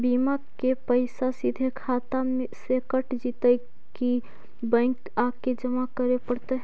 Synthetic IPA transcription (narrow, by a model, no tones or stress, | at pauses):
bima | kepəɪsasid̪ʱekʰat̪amesekəʈd͡ʒit̪əj | ki | bə̃ɪk | aked͡ʒəmakəɾepəɽt̪əɦ